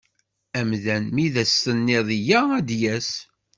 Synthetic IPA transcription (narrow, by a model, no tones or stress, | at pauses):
æmðænmiðæsːənːɪðˤijææd̪jæs